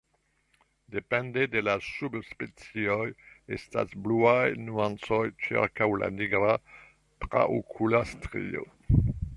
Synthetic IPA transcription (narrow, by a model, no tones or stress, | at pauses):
d̪epɛ̃nd̪ed̪elasubspet͡siojesta̰sbluajnuãnt͡sojt͡ʃḭʁkawla̰niɡɾa | t̪ɾa̰ʔo̰kʰulast̪ʁḭo̰